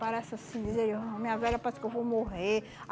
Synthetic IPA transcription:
paɾɛsasĩd͡ʒizeamĩɲɐvɛʎɐpaɾɛskewvowmoɦe

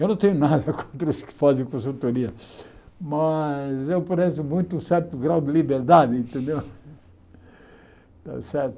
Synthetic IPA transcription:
ewnɐ̃w̃t̪ẽɲʊnad̪ɐkõnt̪ɾɐʊskɪ̥fazẽj̃kõs̬ũt̪oniɐ | mɐzewpɾɛsʊmũj̃t̪ʊũsɛɾt̪ʊɡɾawd̪ɪlibeɾd̪ad̪ɪẽnt̪ẽnd̪ew | t̪a̰sɛɾt̪ʊ

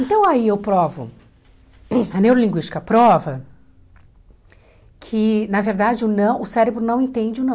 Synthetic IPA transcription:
ẽnt̪ɐ̃w̃aiewpɾɔvʊ̰ | ɐnewɾolĩŋɡwiʃt͡ʃɪ̥kɐpɾɔvɐ | kʰɪnɐveɾd̪ad͡ʒɪʊnɐ̃w̃ʊsɛɾebɾʊnɐ̃w̃ẽnt̪ẽnd͡ʒɪʊnɐ̃w̃

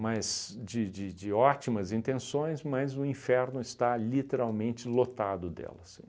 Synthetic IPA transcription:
mɐzd͡ʒɪd͡ʒɪd͡ʒɪɔt͡ʃimɐzĩnt̪ẽsõj̃smɐzʊĩfɛɾnʊɪst̪alit̪eɾawmẽnt͡ʃɪlot̪ad̪ʊd̪ɛ̰lɐsĩ

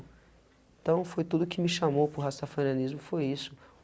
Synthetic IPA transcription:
ẽt̪ɐ̃w̃fojt̪ud̪ʊkɪmɪʃamowpʊɾɦasafɐnɐ̃nizmʊfojisʊ̥

